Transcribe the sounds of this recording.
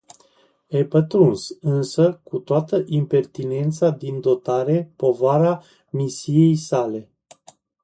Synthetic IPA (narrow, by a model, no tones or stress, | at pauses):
epət̪ɾunsɨnsəkut̪oat̪əʔimpe̞rt̪ine̞nt̪sad̪ind̪o̞t̪aɾe̞po̞vaɾa | misije̞jsale̞